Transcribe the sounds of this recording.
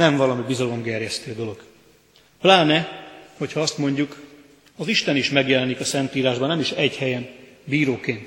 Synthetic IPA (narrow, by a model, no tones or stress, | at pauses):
ɛɱvɒlɒmibizɒlo̞mɡɛrjɛst̪øːd̪o̞lo̞ɡ | plaːnɛho̞chɒɒst̪mo̞ɲɟuk | ɒziʃt̪ɛniʃmɛɡjɛlɛnikɒsɛnt̪iːɾaːʒbɒnɛmiʃɛɟhɛjɛmbiːɾoːkeːnt̪